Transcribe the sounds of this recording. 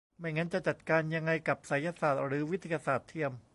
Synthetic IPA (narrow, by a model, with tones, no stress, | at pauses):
ma˥˩jŋa˦˥nt͡ɕa˨˩t͡ɕa˨˩t̪̚kaː˧nja˧ŋːa˧jka˨˩p̚sa˩˦ja˧saː˨˩t̪̚ɾɯː˩˦wi˦˥t̪ʰːi˧ja˧saː˨˩t̪ʰːi˧əm